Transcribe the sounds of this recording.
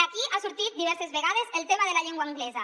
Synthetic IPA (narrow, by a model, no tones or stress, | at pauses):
akiʔasuɾt̪it̪̚d̪iβɛɾsezβeɣaðezelˠt̪emaðelaʎeŋɡwaŋɡlɛza